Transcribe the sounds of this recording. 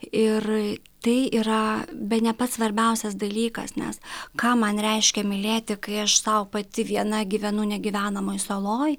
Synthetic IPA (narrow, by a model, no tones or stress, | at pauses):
ɪr | t̪ɐɪiːɾɐbʲɛtnʲɛpɐt̪sʋɐɾʲbʲɛʊsʲɛs̬d̪ɐlʲiːkɐ̰snʲɛ̰skɑːmɐnɾʲɛɪʃʲkʲɛmʲɪlʲeːt̪ʲɪkɐɪɐʃsɐʊpɐt̪ʲɪʋʲiɛnɐɡʲiʋʲɛnʊnʲɛɡʲɪʋʲæːnɐmoːjsoːlˠoːj